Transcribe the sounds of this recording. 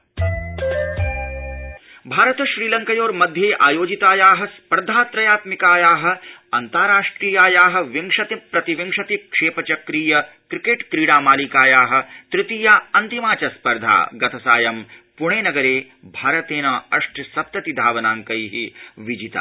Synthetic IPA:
bʱaːɾɐt̪ɐʃɾiːlɐŋkɐjoːɾmɐd̪ʱjeːʔa̰ːjoːd͡ʒit̪aːjaːɦɐ̆spɐɾd̪ʱaːt̪ɾɐjaːt̪mikaːjaːɦɐ̆ɐnt̪aːɾaːʂʈɾiːjaːjaːɦɐ̆ʋiŋʂɐt̪ipɾɐt̪iʋiŋʂɐt̪ikʂeːpɐt͡ʃɐkɾiːjɐ | kɾikeːʈkɾiːɽaːmaːlikaːjaːɦɐ̆t̪ɾɪt̪iːjaːɐnt̪imaːt͡ʃɐspɐɾd̪ʱa̰ːɡɐt̪ʰɐsa̰ːjɐmpuɳ̃eːnɐɡɐɾeː | bʱaːɾɐt̪eːnɐɐʂʈsɐp̚t̪ɐt̪id̪ʱaːʋɐnaːŋkɐjɦiʋid͡ʒit̪a̰ː

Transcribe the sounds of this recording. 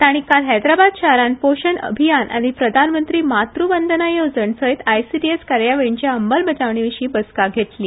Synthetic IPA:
t̪aɽ̃ikalɦajd̪ɾabad̪ɕaɾanpoɕənə̰bʱijanʔa̰ɽ̃ipɾəd̪ʱanmənt̪ɾiːmat̪ɾuʋənd̪ʱənajeʋd͡zəɳsəɦit̪ajsiʈieskaɾjaʋeɭiɲt͡ɕjaəmbəlbəd͡zaʋɳ̃iʋiɕiːbəskaɡʱet̪liː

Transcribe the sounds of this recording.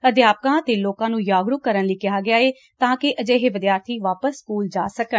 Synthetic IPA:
əd̪jaːp̚kãːət̪eːloːkãːnũːjaːɡɾʊkkːəɾənliːkɪaːɡɪjaːeː | t̪ãːkɪʔəd͡ʒeːɦeːʋɪd̪ɪjaːɾt̪ʰiːʋaːpəsːkuːld͡ʒa̰ːsəkən

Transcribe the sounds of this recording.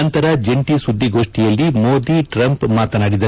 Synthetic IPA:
ɐnt̪ɐɾɐd͡ʒeɳʈisud̪ʱːiɡo̞ːʂʈijɐlːimoːd̪iʈɾɐmpmaːt̪ɐnaːɽid̪ɐ

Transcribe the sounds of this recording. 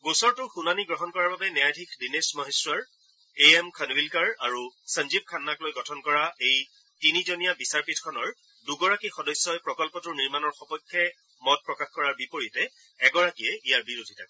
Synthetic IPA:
ɡusɔɹtʊxunaniɡɹɔɦɔnkɔɹaɹbabɛnɛjadʱikʰdinesmɔɦesɹɔɹ | eɛmkʰənwilkaɹaɹusənd͡ʒib̚kʰanːaklojɡɔtʰɔnkɔɹaej | tinizonijabisaɹpitʰkʰɔnɔɹ | duɡɔɹakixɔdɔjsjɔjpɹɔkɔlpɔtʊɹniɹmanɔɹxɔpɔjkʰːɛ | mɔt̚pɹɔkaxkɔɹaɹbipoɹitɛː | ɡɔɹakijɛijaɹbiɹodʱitʰakɛ

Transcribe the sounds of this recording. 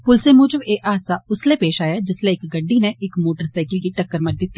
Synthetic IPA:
pʊlsẽmʊ̃ːd͡ʒəbeːʔaːsaʊslepeːʃaːjad͡ʒɪsleɪkɡɐɖːineʔɪkmoːʈəɾsaːɪkəlkiʈɐkːəɾməɾd̪ɪt̪ːi

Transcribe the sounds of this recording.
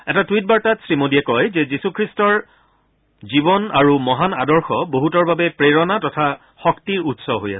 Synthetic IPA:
ɛtatwit̚baɹtatsɹimodiɛkɔjzɛzisukʰɹistɔɹ | zibɔnaɹumɔɦana̰dɔɹxɔboɦutɔɹbabɛpɹeɹɔnatɔtʰa | xɔktiɹutsɔɦo̰ja̰s

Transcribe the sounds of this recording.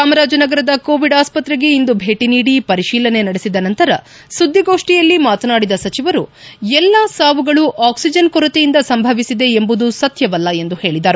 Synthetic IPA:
saːmɐɾaːd͡ʒɐnɐɡɐɾɐd̪ɐkoːʋiɖaːspɐt̪ɾeɡe̞ind̪ubʱe̞ːʈiniːɽipɐɾiʃiːlɐne̞nɐɽesid̪ɐnɐnt̪ɐɾɐ | sud̪ʱːiɡo̞ːʂʈijɐlːimaːt̪ɐnaːɽid̪ɐsɐt͡ʃiʋɐɾuɛlːasaːʋuɡɐɭuʔaːksid͡ʒɐnkɔɾɐt̪ejind̪ɐsɐmbʱɐʋisid̪e̞ːmbud̪usɐt̪jɐʋɐlːɐe̞nd̪uhe̞ːɭid̪aːɾu

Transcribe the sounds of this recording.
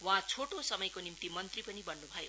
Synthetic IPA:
wãt͡sʰoʈosʌmʌjkonimt̪imʌnt̪ripʌnibʌnːubʱʌjo

